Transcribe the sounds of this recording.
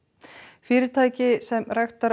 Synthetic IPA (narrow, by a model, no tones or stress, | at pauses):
fɪːɾɪɾt̪ʰaːjcɪsɛmrɛjxt̪aɾ